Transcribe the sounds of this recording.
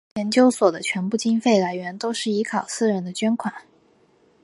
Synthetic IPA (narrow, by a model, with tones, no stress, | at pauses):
jɛ˧˥nt͡ɕjo˥ʊswɔ˨˩d̪ə˦t͡ɕʰɥɛ˧˥npu˥˩t͡ɕi˥nfe˥˩ɪla˧˥ɪɥɛ˧˥nt̪o˥ʊʂɻ̩˥˩i˧˥kʰɑ˨˩ʊsɹ̩˥˩ɻə˧˥nd̪ə˧t͡ɕɥɛ˥nkʰwa˨˩˦n